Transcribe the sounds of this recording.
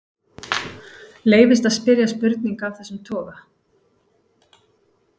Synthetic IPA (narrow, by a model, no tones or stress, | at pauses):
leːjvɪst̪aðspɪɾjaspʏɾt̪̚niŋkavθɛsːʏmt̪ʰɔːɣa